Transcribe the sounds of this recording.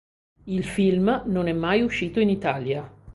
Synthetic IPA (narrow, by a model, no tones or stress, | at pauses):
ilfilmnonɛmːajuʃːiːt̪oinit̪aːlja